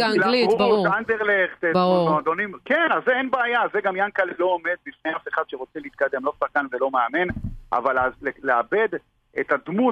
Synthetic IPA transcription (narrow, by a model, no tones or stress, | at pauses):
alaliʁutand̪eʁleχt̪eoad̪onimkenazːeenbeajazeɡamjankallo̞ome̞d̪̚bifnejafe̞χad̪ʃeʁo̞t͡seleit̪̚kad̪e̞mlo̞saχkanvelo̞meamenʔa̰valaleleabe̞d̪ | et̪ad̪mu